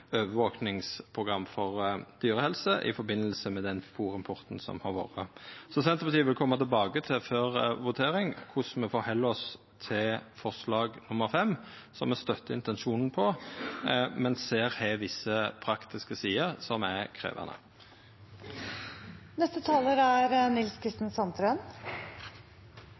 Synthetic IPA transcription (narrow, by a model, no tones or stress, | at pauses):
øːʋəʋoːknɪŋspʰʁʊɡʁɑmːfɔʁd̪̥yːɾəhɛlsəʔɪ̰fɔɾbɪnːəlsəmɛd̪ɛnfuːʁɪmpʰɔɾt̪n̩sɔ̰mhɑɾʋo̰ːʁəsɔsɛnt̪əbɑt̪ʰiːʋɪlkʰɔmːɑt̪ʰɪlbɑːɡət̪ʰɪføːɾʋʊt̪ʰeːɾɪŋkʰʊsmɛfoːhɛlːɔs | t̪ʰɪfɔʁslɑːɡnʊməɾfɛmː | sɔmɛst̪œt̪ːəɪnt̪ɛnʃuːnn̩pʰɔ | mɛnseːɾhɛʋɪsːəpʰɾɑkt̪ʰɪskəsiːəɾsɔmækʰɾḛːʋɑ̰nə̰ | nɛst̪ət̪ʰɑːləɾæɾənɪlskʰɾɪst̪n̩sɑnt̪ɾən